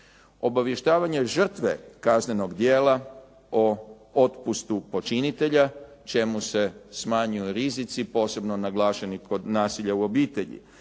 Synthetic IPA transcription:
o̞baʋjeʃt̪aːʋaɲe̞ʒr̩t̪ʋe̞̰kazne̞no̞ɡd̪jeːlˠa | o | ot̪pust̪upo̞t͡ʃinit̪e̞ʎa | t͡ʃe̞muse̞smaːɲujuɾizit̪sipo̞ːse̞bno̞naɡlˠaːʃeniko̞d̪naːsiʎauo̞biːt̪e̞ʎḭ

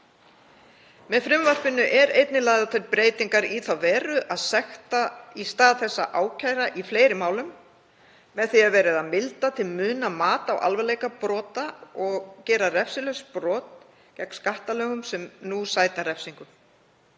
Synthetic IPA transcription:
mɛðfɾɪmvar̥pɪnːʏʔɛɾejt̪nɪlajðaθejɾpɾeːjt̪iŋkaɾiθawvɛːɾʏʔaðsɛxt̪aist̪aːðθɛsːaʔaːwcʰaːjɾaʔifleːjɾɪmaːwlʏmː | ɛðθiaðvɛːɾɪðaðmɪlt̪at̪ʰɪlmʏːnamaːt̪awʔa̰lvɛleːjkapɾɔːt̪aɔɣcɛːɾarɛfsɪlœspɾɔːt̪ | cɛkn̥skaht̪alœːɣʏmsɛmnusaːjt̪naɾɛfsiŋkʏm

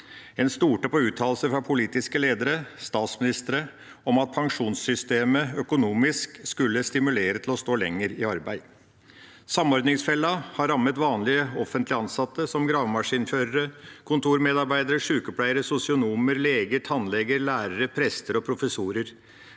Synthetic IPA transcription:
ɛnst̪uːʈəpɔʉːt̪ʰɑːlsəfɾɑpʰʊliːt̪ɪskəleːd̪əɾəst̪ɑːt̪smɪnɪst̪əɾə | ɔmɑt̪̚pʰɑŋʂuːnsːʏst̪eːməœkʊnuːmɪskskʉlːəst̪ɪmʉleːɾət̪ʰlɔst̪oːlɛ̰ŋːəɾɪɑɾbæɪ | sɑmɔɾd̪nɪŋsfɛlːɑhɑɾɑmːət̪ʋɑːnlɪəɔfənt̪lɪɑnsɑt̪ːəsɔmɡɾɑːʋmɑʂiːnføːɾəɾəkʰʊnt̪ʰuːɾmeːd̪ɑɾbæɪd̪əɾəʂʉːkɔpʰlæɪəɾəsʊsɪʊnuːməɾleːɡəʈ̪ʰɑnlɛɡəɾlæːɾəɾəpʰɾɛst̪əɾɔpʰɾʊfəsuːɾəɾ

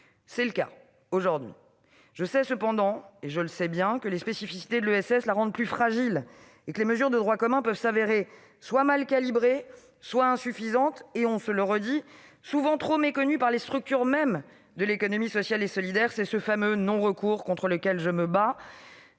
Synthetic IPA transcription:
sɛləka̰ | oʒuʁd̪ɥḭ | ʒ̥əsɛsəpɑ̃d̪ɑ̃eʒələsɛbjɛ̃kəlespesifi̥si̥t̪ed̪əlyɛsɛslaʁɑ̃d̪̚plyfχaʒil | ekəleməzyʁd̪əd̪ʁwakɔmɛ̃pœvsaveʁe | swamalkalibʁe | swaɛ̃syfizɑ̃t̪eɔ̃sələʁəd̪isuvɑ̃t̪χomekɔnypaʁlest̪χyk̚t̪yʁmɛm | d̪əlekɔnɔmisɔsjalesɔlid̪ɛʁsɛsəfamønɔ̃ʁəkuːʁkɔ̃t̪χələkʲɛlʒəməba

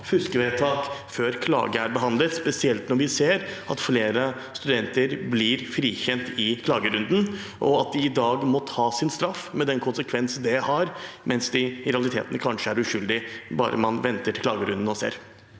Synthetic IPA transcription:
fʉskəʋɛːt̪ʰɑːkføːɾkʰlɑ̰ːɡəæɾbəɦɑnd̪lət̪spɛsɪɛlt̪nɔɾʋɪseːɾɑt̪fleːɾə | st̪ʉd̪ɛnt̪əɾblɪɾfɾiːçɛnt̪ɪkʰlɑːɡəɾʉnd̪n̩ | ʔɔ̰ɑt̪̚d̪ɪɪd̪ɑːɡmɔt̪ʰɑːsɪnst̪ɾɑfmɛd̪ɛnkʰʊnsəkʰʋɛnsn̩d̪ɛhɑɾmʔɛnsd̪ɪɾɛɑlɪt̪ʰḛːt̪nəkʰɑnʂəæɾʉʂʏld̪ɪbɑ̰ːɾə̰mɑnʋɛnt̪əʈʰɪlklɑ̰ːɡəɾʉnd̪n̩ɔsḛːɾ

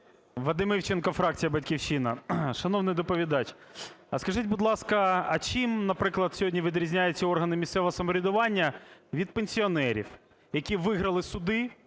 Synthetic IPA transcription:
ʋɐd̪ɪmɪwt͡ʃenkɐfɾɑk̚t͡sʲijɐbɐtʲkʲiwʃinɐʃɐnɔwnɪjd̪ɔpɔʋʲid̪ɑt͡ʃ | skɐʒɪtʲbʊd̪lˠɑskɐɐt͡ʃimnɐpɾɪklˠɐd̪sʲɔɦdʲnʲiʋʲid̪ɾʲizʲnʲajʊt͡sʲːɐɔrɦɐnɪmʲist̪sɛʋɔɦɔsɐmɔɾʲɪd̪ʊʋɑnʲːɐʋʲid̪̚penʲsʲiɔnɛɾʲḭw | jɐkʲiʋɪɦɾɐlˠɪsʊd̪ɪ

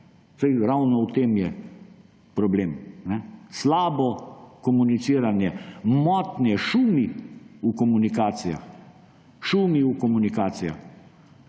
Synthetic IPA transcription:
sajɾawnɔwt̪eːmjɛ | pɾɔbleːmnɛslaːbɔkɔmunit̪siːɾanjɛmɔːt̪nɛʃuːmiukɔmunikaːt̪sija̰x | ʃuːmiukɔmunikaːt̪sija̰x

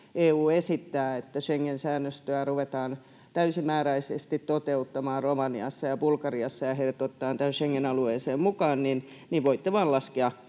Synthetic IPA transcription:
eːuːesit̪ːæːet̪ːæʃeŋːensæːnːøst̪øæruʋet̪ɑːn | t̪æysimæːræisest̪it̪tot̪eut̪ːɑmɑːrromɑniɑsːɑjɑb̥ulkɑriɑsːɑjɑhelt̪ot̪ːɑːnt̪æhønʃeŋːenɑlueːseːmmukɑːnnin | niʋʋoit̪ːeʋɑːlɑskeɑ

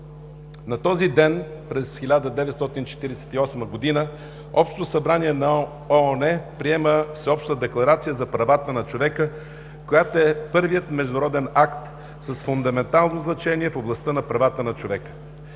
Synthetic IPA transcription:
nɐt̪ɔzid̪ɛn | pɾɛsxilʲad̪əd̪ɛvɛt̪st̪ɔt̪int͡ʃɛ̥t̪iɾɛsɛ̥t̪iɔsməɡod̪inə | ɔpʃt̪ot̪osɐbɾaniɛnɐ | ɔnɛpɾiɛməsɛɔpʃt̪t̪əd̪ɛklˠɐɾat̪sijəzɐpɾɐvat̪ənɐt͡ʃovɛkə | kojat̪oɛpɤɾvijət̪mɛʒd̪ʊɾɔd̪ɛnakt̪ | sɐsfʊnd̪ɐmɛnt̪alˠnoznɐt͡ʃɛniɛfoblˠɐst̪ənɐpɾɐvat̪ənɐt͡ʃovɛkə̥

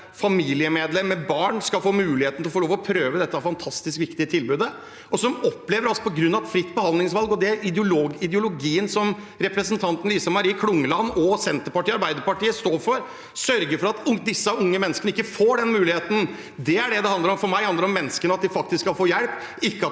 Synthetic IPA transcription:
fɑmiːlɪəmeːd̪lɛmːəbɑːɳskɑlfoːmʉːlɪheːt̪nɪlfɔlɭoːʋɔpʰɾøːʋəd̪ɛt̪ːəæɾfɑnt̪ʰɑst̪ɪskʋɪkt̪ɪət̪ʰɪlbʉːd̪ə | ɔsɔmɔpːleːʋəɾɑlsɔ̥pɔɡɾʉnːɑʋɛt̪fɾɪt̪ːbəhɑnd̪lɪŋsʋɑlɡɔd̪ɛæɪd̪jʊloːɡɪd̪əʊlʊɡiːənsɔm | ɾɛpɾəsənt̪ʰɑnt̪n̩liːsɑmɑɾiːkʰlʊŋːəlɑnːɔsɛnt̪əɾpɑʈiːɑɾbæɪd̪əɾpɑʈiːəst̪oːɾfɔɾ | sœɾɡəɾfɔɾɑt̪ʊd̪ɪsːəʊŋːəmɛnːskəɳəɪkːəfoːɖɛnmʉːlɪheːt̪n̩ | d̪ɛæɖɛd̪ɛhɑnd̪əɾɔmfɔɾmæɪhɑnd̪əɾɔmːɛnːəskənəɑt̪d̪ɪfɑk̚t̪ɪskːɑlfoːjɛlp | ɪkːəɑ

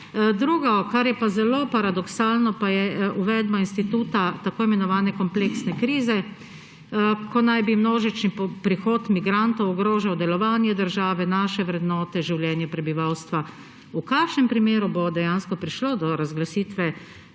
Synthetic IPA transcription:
d̪ɾuːɡɔkaɾjɛpazɛloːpaɾad̪ɔksaːlnɔpajɛuʋɛd̪bainst̪it̪uːt̪at̪akoːimɛnɔʋaːnɛkɔmpleksnɛkɾiːzɛ | kʰɔnajbimnoːʒit͡ʃnipɾixoːt̪miɡɾant̪ɔwɔɡɾoːʒawd̪ɛlɔʋaːnjɛd̪əɾʒaːʋɛnaːʃɛʋɾɛd̪nɔːt̪ɛʒiwljɛːnjɛpɾɛbiʋawst̪ʋa | ukakʃnɛmpɾimeːɾubod̪ɛjanskɔpɾiʃlod̪ɔɾazɡlasiːt̪ʋɛ

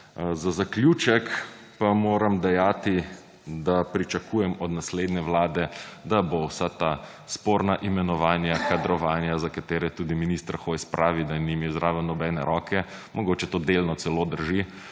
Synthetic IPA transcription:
zazakljuːt͡ʃɛk | pamoːɾamd̪ɛjaːt̪i | d̪apɾit͡ʃakʰuːjɛmɔd̪nasleːd̪nɛʋlaːd̪ɛd̪abowsat̪a | spoːɾnaʔimɛnɔʋaːnjakad̪ɾɔʋaːnjazakat̪eːɾɛt̪ud̪iminist̪ɾaxojspɾʔaːʋid̪animiwzɾaːʋɛnɔbɛːnɛ̰ɾʔɔːkʰɛ | mɔɡoːt͡ʃɛt̪oːd̪elnɔt̪sɛloːd̪əɾʒi

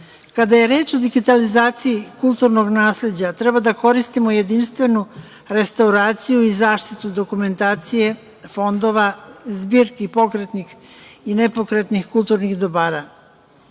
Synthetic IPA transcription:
kad̪aje̞ɾe̞ːt͡ʃo̞d̪iɡit̪alizaːt̪sijikulˠt̪uɾno̞ɡnaːsle̞d͡ʑat̪ɾɛbad̪ako̞ɾist̪imoje̞d̪inst̪ʋe̞nu | ɾe̞st̪auɾaːt̪sijuizaːʃt̪it̪ud̪o̞kume̞nt̪aːt̪sije̞ | fo̞nd̪o̞ʋazbiːɾkipo̞kɾet̪nixinepo̞kɾe̞t̪nixkult̪uɾnixd̪obaːɾa

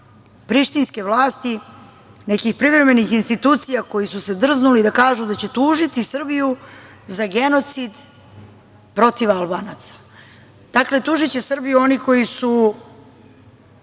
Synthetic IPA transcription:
pɾiʃt̪inske̞ʋlaːst̪i | nekixpɾivɾe̞me̞nixinst̪it̪uːt̪sijako̞jisuse̞d̪r̩znulid̪akaːʒud̪at͡ɕe̞t̪uːʒit̪isr̩biju | zaɡe̞no̞t̪sid̪ | pɾo̞t̪iʋalˠbaːnat̪sḁ | d̪̥akle̞t̪uːʒit͡ɕe̞sr̩bijuo̞niko̞jisu

